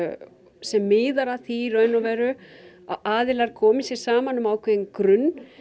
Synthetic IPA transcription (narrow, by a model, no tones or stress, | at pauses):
sɛmːɪːðaɾaθiɾœɥnːɔvɛːɾʏ | a̰ʔaːðɪlaɾ̥kʰɔːmɪsjɛɾ̥saːmanʏmaːwkʰvɛnkɾʏnː